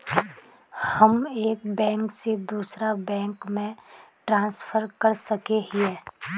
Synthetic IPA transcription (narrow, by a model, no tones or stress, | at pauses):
həmeːkbɛ̃ːŋksed̪uːsɾabɛ̃ːŋkmẽ | ʈɾãːnsfʰəɾkəɾsəkeɦiɛː